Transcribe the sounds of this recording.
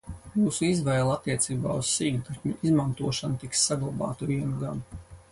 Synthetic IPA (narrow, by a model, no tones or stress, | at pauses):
muːsuizvɛjlˠat̪ːiɛt̪siːba̰ːussiːɡt̪aɾkmʲuizmant̪uɔʃant̪iksːaɡlˠaba̰ːt̪uviɛnuɡan